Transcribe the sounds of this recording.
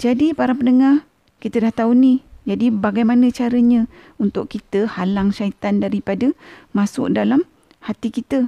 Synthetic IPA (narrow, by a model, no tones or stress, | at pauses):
d͡ʒadipaɾapənəŋa | kit̪ədaht̪aunid͡ʒadibaɡajmanə̃t͡ʃaɾəɲə̃ | unt̪ʊʔkit̪əhalaŋʃait̪andaɾipadəmasʊ̰ʔk̚dalam | hat̪ikit̪ə